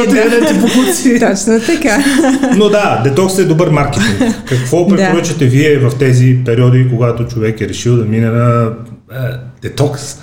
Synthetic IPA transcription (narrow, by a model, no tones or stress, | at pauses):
t̪ɛd̪ɛipoxusit̪ɔt͡ʃnət̪ɐkanod̪ad̪ɛt̪ɔksɛd̪obəɾmaɾkɛt̪iŋkkɐkvɔpɾɛtpoɾət͡ʃɐt̪ɛviɛvɐft̪ɛzipɛɾiɔd̪ikoɡat̪ot͡ʃovɛkɛɾɛʃilˠd̪ɐminɛnɐ | d̪̥ɛt̪ɔks